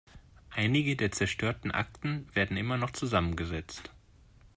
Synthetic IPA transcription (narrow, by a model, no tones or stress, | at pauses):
ʔaɪnɪɡədeːɐt͡sɛɐʃtʰøːɐtn̩ʔa̰k̚tn̩veːɐdn̩ʔɪmɐnɔχt͡suzamənɡəzɛt͡st